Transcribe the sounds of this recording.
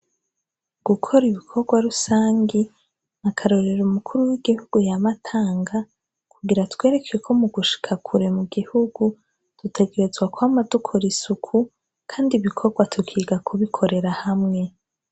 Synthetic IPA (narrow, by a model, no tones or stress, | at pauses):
ɡ̥ukʰo̞ɾiβikʰo̞ɾɡwaɾusaːŋɡe | nakʰaɾo̞ɾe̞ɾumukʰuɾuwiɡihuɡ̥ujamatʰaːŋɡa | kʰuɡiɾatwe̞ːɾe̞kʰekʰo̞muɡuʃi̥kʰakʰuɾe̞muɡihuɡ̥u | tutʰe̞ɡe̞ɾe̞zɡwakwamadukʰo̞ɾisukʰu | kʰaːndiβikʰo̞ɾɡwatʰukʰiːɡakʰuβikʰo̞ɾe̞ɾahamŋe̞